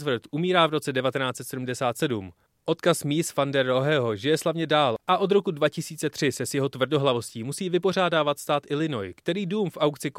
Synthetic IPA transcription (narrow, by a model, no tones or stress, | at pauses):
zvr̩t̪ʔumiːɾaːvɾo̞t͡sɛdɛvat̪ɛnaːtt͡sɛt̪sɛdumdɛsaːt̪sɛdum | ʔo̞t̪kasmiːsfandɛɾoɦɛɦo̞ʒɪjɛslavɲɛdaːlʔaʔo̞d̪ɾo̞kudvacɪsiːt͡sɛt̪r̝̥ɪsɛsjɛɦo̞t̪vr̩do̞ɦlavo̞sciːmusiːvɪpo̞r̝aːdaːvat̪st̪aːt̪ʔɪlɪno̞jkt̪ɛɾiːduːmfʔawkt͡sɪk